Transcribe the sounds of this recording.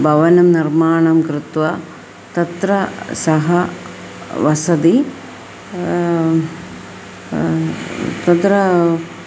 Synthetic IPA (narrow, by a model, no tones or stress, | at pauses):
bʱɐʋɐnɐmniɾmaːɳɐmkɾɪt̪ʋɐ | t̪ɐt̪ɾɐsɐɦɐ | ʋɐsɐd̪i | t̪ɐt̪ɾɐ